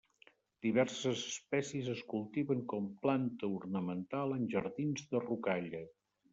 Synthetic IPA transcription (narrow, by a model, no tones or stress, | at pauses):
d̪iβ̞ɛɾsəzəspɛsiəzəskulˠt̪iβəŋkɔmplant̪əuɾnəmənt̪alˠənʲʒəɾðinzðərukaʎə